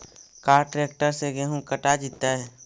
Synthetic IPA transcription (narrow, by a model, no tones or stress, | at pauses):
kaːɾʈɾeːk̚ʈəɾseɡɛɦũkəʈad͡ʒɪt̪ːaɦɛ